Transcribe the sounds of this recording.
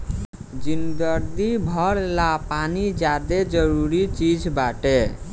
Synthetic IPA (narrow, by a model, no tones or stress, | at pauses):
d͡ʒind̪əɾd̪ibʱəɾlapanid͡ʒjad̪ed͡ʒəɾuɾit͡ʃid͡ʒbaʈe